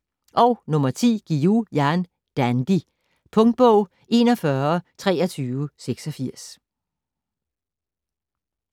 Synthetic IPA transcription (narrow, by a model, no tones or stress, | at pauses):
ʔɒʊnɔ̽mɐt͡sʰḭːɡ̥iːujæɐn | d̥ænd̥i | pʰɔ̽ŋd̥̚b̥ɔʊ̰ | ʔe̝nɒ̽fɶɐt͡sʰʁɛ̰ːɒ̽t͡sʰyːʊəseɡ̥sɒ̽fiɐ̰s